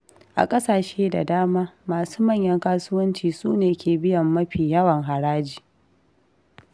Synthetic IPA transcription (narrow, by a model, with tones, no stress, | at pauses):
ʔa̰˨kʼɐ˦saː˨ʃeː˦da̰˨daː˦maː˦maː˨suː˦mɐ˦˨ɲjɐ˦ŋkaː˦sʊ˦wɐ˦nt͡ʃiː˨suː˦neː˨kʲʰeː˨bɪ˦jɐ˨mːɐ˦ɸiː˨jɐ˦wɐ˨ŋɦa˨ɽaː˦d͡ʒiː˨